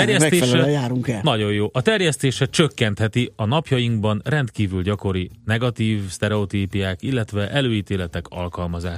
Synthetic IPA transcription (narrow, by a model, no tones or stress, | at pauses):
ɛrjɛsɛt̪eːɛʃɛɛɛjaːɾuŋkɛnɒɟo̞jjoːʔɒt̪ɛrjɛst̪eːʃɛt͡ʃøkːɛnt̪hɛt̪iɒnɒpjɒjiŋɡbɒnrɛnt̪kiːvylɟɒko̞ɾinɛɡɒt̪iːvst̪ɛɾɛot̪iːpijaːkilːɛt̪ʋɛʔɛløːiːt̪eːlɛt̪ɛkɒ̰lkɒlmɒzaːʃ